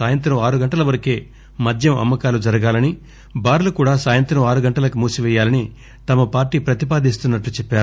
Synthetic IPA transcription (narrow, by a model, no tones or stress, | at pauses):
saːjɐnt̪ɾɐmaːɾuɡɐɳʈɐlɐʋɐɾɐkeː | mɐd̪ʱjɐmɐ̰mːɐkaːlud͡ʒɐɾɐɡaːlɐni | baːɾulukuːɽaːsaːjɐnt̪ɾɐmaːɾuɡɐɳʈɐlɐkumuːsuʋɛːjaːlɐni | t̪ɐmɐpaːɾʈiːpɾɐt̪ipaːd̪ist̪unːɐʈlut͡ʃɛpːaːɾu